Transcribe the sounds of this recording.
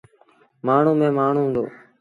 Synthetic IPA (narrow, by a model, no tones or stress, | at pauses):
maːɳ̤uːmẽːmaːɳ̤uːɦũːnd̪o̰ː